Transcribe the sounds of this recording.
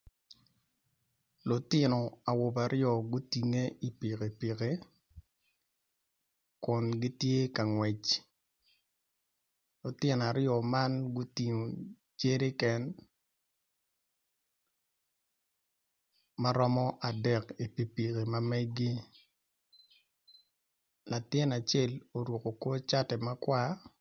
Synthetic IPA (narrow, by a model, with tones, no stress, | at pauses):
lʊ˨tɪ˦nɔ˨a˨wʊ˨ba˨ɾʔɪɔ˨ɡʊ˦ti˨ŋe˦i˨pi˨ke˨pi˨ke˨ | kʊ˨nɡɪ˦tje˦ka˨ŋwɛ˨t͡ʃ | lʊ˨tɪ˦n˨a˨ɾɪjɔ˨ma˦nɡʊ˦ti˨ŋo˨ | t͡ʃe˦ɾe˦kɛ˦n | ma˦ɾɔ˦mɔ˦ʔa˨dɛ˨ki˨pi˨pi˨ke˨ma˦mɛ˦ɡi˦ | la˨tɪ˦na˨t͡ʃɛ˦lo˨ɾwo˨ko˨kwo˦t͡ʃa˦tɛ˨ma˦kwa˦